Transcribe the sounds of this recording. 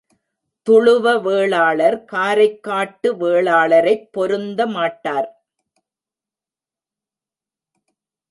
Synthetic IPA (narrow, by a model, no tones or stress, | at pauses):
t̪ʊɻɯʋɐʋeːɭaːɭɐɾkaːɾɐɪkːaːʈːɯʋeːɭaːɭɐɾɐɪpːɔɾɯnd̪ɐmaːʈːaːɾ